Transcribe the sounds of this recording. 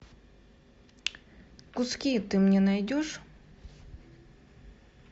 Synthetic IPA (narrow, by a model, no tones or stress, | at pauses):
kʊskʲijət̪ɨmnʲenɐjdʲoʂ